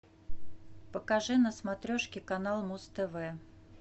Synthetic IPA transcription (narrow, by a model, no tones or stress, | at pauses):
pəkɐʐɨnəsmɐt̪ɾʲoʂkʲɪkɐnalˠmust̪ɛvɛ